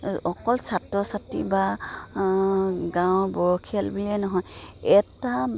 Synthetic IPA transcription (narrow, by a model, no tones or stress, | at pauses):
ɔkɔlsatɹɔsatḭba | ɡãwbɔɹɔkʰialbilɛnɔɦɔjɛta